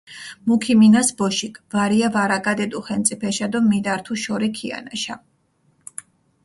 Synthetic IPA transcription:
mukʰiminasbɔʃikʼʰvaɾiavaɾakʼad̪ɛd̪uχɛnt̪sʼipʰɛʃad̪ɔmid̪aɾt̪ʰuʃɔɾikʰia̰naʃa

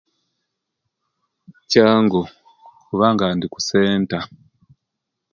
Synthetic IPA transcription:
caːŋɡo | kuβaŋɡaːndiku̥seːnta

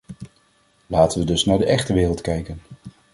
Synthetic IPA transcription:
laːtəʋədɵsnaːɹdəʔɛχtəʋɪːrəlˠtkɛjkən

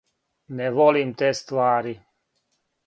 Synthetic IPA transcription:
nevolimt̪est̪uaːɾi

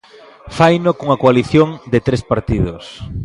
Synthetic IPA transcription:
fajnokuŋɐkoaliθjoŋd̪ɪt̪ɾespaɾt̪iðʊs

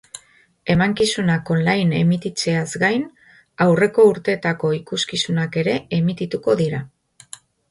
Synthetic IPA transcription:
e̞maŋkisunako̞nlajne̞̰mit̪it͡se̞azɡajn | awre̞ko̞uɾt̪e̞t̪ako̞ikuskisunake̞ɾe̞emit̪it̪uko̞ðiɾa

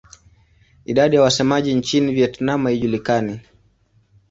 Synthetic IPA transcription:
iɗaɗijawasɛmaʄint͡ʃinivjɛtnamahiʄulikani

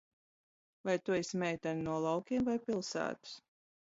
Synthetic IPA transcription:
vajt̪uismʲɛjt̪annuɔlˠawkʲiɛmvajpʲilˠsæ̰ːt̪u̥s

